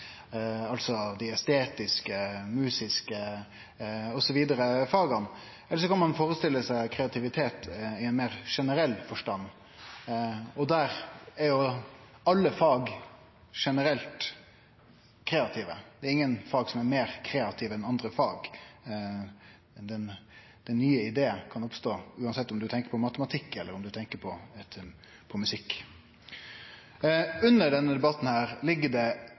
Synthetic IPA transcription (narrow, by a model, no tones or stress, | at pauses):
ɑlt̪sɔd̪ɪɛst̪eːt̪ɪskəmʉːsɪskə | ɔsɔʋiːd̪əɾəfɑːɡɑn | ɛlːəʂ̬ɔkɑnmɑnfoːɾəst̪ɪlːəsæɪkʰɾɛɑt̪ʰɪʋɪt̪ʰeːt̪ɪɛɪnmeːɾʂɛnəɾɛlːfɔʂʈɑnː | ɔd̪æɾæɾjʊɑlːəfɑːɡ | ʂɛnəɾɛlt̪ | kʰɾeːɑt̪ʰɪʋə̰d̪̥ɛːɾɪŋːənfɑːɡsɔmæɾmeːɾkʰɾeːɑt̪ʰɪʋɛnɑnd̪ɾəfɑːɡ | d̪ɛn | d̪̥ɛnːyːəɪd̪eːəkʰɑnʊpst̪oːʉːɑnsɛt̪ːɔmd̪ʉt̪ʰɛŋkəɾpɔmɑt̪əmɑt̪ʰɪkːɛlːəɾɔmd̪ʉt̪ʰɛŋkəpʰɔt̪ | pʰɔmʉsɪkː | ʉnːəɾɖɛnːəd̪ɛbɑt̪n̩hæːɾlɪɡːədɛ